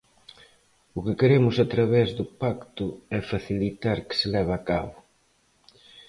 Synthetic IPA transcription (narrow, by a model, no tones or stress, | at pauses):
ʊkɪkeɾemʊsat̪ɾaβɛzðʊpakt̪ʊɛfaθilit̪aɾkɪ̥sɪlɛβ̞aːka̰βʊ